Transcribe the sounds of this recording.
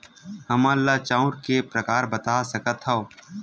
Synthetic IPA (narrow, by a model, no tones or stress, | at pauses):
həmãːlːaːt͡ʃãːʊ̃ɾkepɾəkaːɾbət̪aːsəkət̪ɦaoː